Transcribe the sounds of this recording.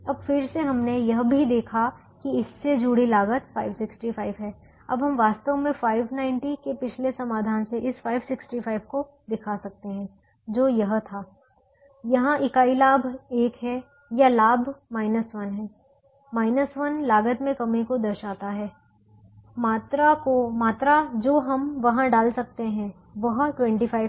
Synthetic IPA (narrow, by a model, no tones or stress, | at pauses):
ɐbfɪɾseɦɐmnejɐɦbʱid̪eːkʰa | kiɪsːed͡ʒuːɽilaːɡət̪faːɪʋsɪksʈifaːɪʋɦɛː | ɐ̰bɦɐmʋaːst̪əʋmẽfaːɪʋnãɪ̃ɳʈikepɪt͡ʃʰlesɐmaːd̪ʱaːnseʔɪsfaːɪʋsɪksʈifʰaːɪbko | d̪ɪkʰasɐk̚t̪eɦɛ̃ː | d͡ʒoːjɐɦt̪ʰaː | jɐɦãʔɪkaːilaːbʱeːkɦɛ | jalaːbʱmaːɪnəsʋɐnɦɛː | maːɪnəsʋɐnlaːɡət̪mẽkɐmekod̪ɐɾʃaːt̪aɦɛː | maːt̪ɾakomaːt̪ɾad͡ʒoːɦɐmʋɐɦãɖaːlsɐk̚t̪eɦɛ̃ | ʋɐɦʈwɛ̃ɳʈifʰaːɪ